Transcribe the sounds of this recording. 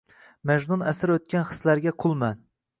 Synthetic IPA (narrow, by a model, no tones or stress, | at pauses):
mɛʒnunɛsɪɾøt̪̚kʲɛnχə̥slæɾɡʲɛqʰʊlˠmɛn